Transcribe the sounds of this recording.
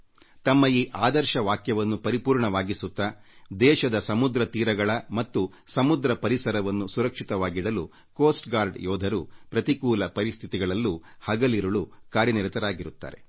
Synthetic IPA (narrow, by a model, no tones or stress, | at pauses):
t̪ɐmːɐiːʔaːd̪ɐɾʃɐʋaːkjɐʋɐnːupɐɾipuːɾɳɐʋaːɡisut̪ːɐd̪ɛːʃɐd̪ɐsɐmud̪ɾɐt̪iːɾɐɡɐɭɐmɐt̪ːu | sɐmud̪ɾɐpɐɾisɐɾɐʋɐnːusuɾɐkʂit̪ɐʋaːɡiɽɐlu | koːsʈɡaːɾɖjɔːd̪ʱɐɾupɾɐt̪ikuːlɐpɐɾist̪ʰit̪iɡɐɭɐlːuhɐɡɐliɾuɭukaːɾjɐniɾɐt̪ɐɾaːɡiɾut̪ːa̰ːɾe̞̰